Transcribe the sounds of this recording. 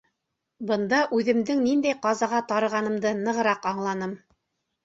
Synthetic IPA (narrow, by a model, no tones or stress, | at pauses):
bɤ̆nd̪ɑʔʉðɘ̆md̪ɘŋnind̪æjqɑzɑʁɑt̪ɑɾɤ̆ʁɑnɤ̆md̪ɤnɤ̆ʁɤ̆ɾɑqɑɴlˠɑnɤm